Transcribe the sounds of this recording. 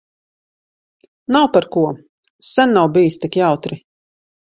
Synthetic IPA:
nawpaɾkuɔ | sɛnːawbijist̪ikjawt̪ɾi

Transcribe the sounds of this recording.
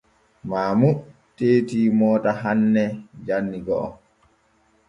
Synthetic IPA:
maːmu | teːtiːmɔːtaɦanːɛd͡ʒanːiɡɔʔɔ̰m

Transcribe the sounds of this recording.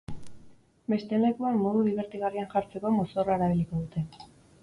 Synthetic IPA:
be̞st̪e̞le̞kuanmo̞ð̞uðiβ̞e̞ɾt̪iɣarianʝaɾt͡se̞ko̞mosoraeɾaβ̞iliko̞ðut̪e̞

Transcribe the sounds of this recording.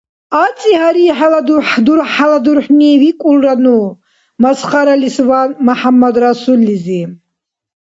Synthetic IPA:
at͡s̪ʼiɦaɾiħalad̪uħd̪uɾħalad̪uɾħnivikʼulɾanu | masχaɾalisvanmaħamːad̪ɾasulːizi

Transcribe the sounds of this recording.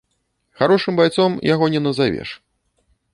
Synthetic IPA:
xaɾɔʂɨmbajt̪sɔmjaɣɔnʲɛnɐzavʲɛ̰ʂ

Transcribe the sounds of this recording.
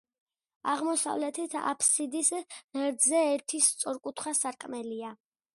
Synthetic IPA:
aʁmɔsa̰vlɛt̪ʰit̪ʰa̰pʰsid̪isʁɛɾd̪zɛːɾt̪ʰist̪sʼɔɾkʼut̪ʰχwasaɾkʼmɛlia

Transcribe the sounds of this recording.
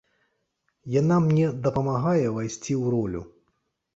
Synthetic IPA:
janamnʲɛd̪ɐpɐmaɣajɛvajsʲt͡sʲiwɾɔlʲṵ

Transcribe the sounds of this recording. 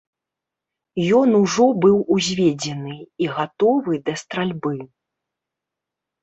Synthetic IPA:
jɔnuʐɔbɨwuzʲvʲed͡zʲɛnɨiɣat̪ɔvɨd̪ɐst̪ɾalʲbɨ

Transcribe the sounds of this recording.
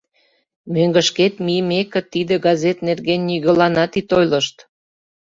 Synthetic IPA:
møŋɡə̆ʃket̪miəmekə̆t̪id̪ə̆ɡɑzet̪nerɣenːiɣəlɑnɑt̪it̪ojləʃt̪

